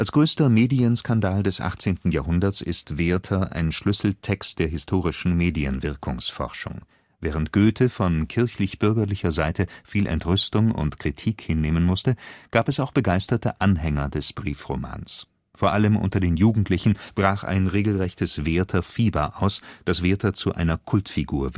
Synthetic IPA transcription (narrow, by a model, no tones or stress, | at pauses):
ʔalsɡ̥ʁøːstɐmeːdiənskandaːldɛsʔa̰χt͡seːntn̩jaːɦʊndɐsɪstv̥eːɐtʰɐʔa̰ɪnʃlʏsl̩tʰɛkst̚d̥eːɐɦɪstʰoːʁ̞ɪʃn̩meːdiənvɪɐkʰʊŋsfɔ̰ʁʃʊ̰ŋ | vɛːʁ̞əntɡ̥øːtʰəfɔnkʰɪɐçlɪçb̥ʏɐɡɐlɪçɐzaɪtʰəfiːlʔɛ̰ntʁʏstʊŋʊ̰ntkʁ̥itʰiːkhɪnːeːmənmʊstəɡ̥aːpɛsaʊxb̥əɡaɪstɐtəʔanɦɛŋɐdɛsb̥ʁiːfʁoma̰ːns | foːɐʔaləmʔʊ̰ntɐdeːnjuːɡŋ̩tʰlɪçn̩b̥ʁaːχʔa̰ɪnʁeːɡl̩ʁɛçtəsv̥eːɐtʰɐfiːbɐʔaʊsd̥asv̥eːɐtɐt͡suʔa̰ɪnɐkʰʊltfiɡuːɐ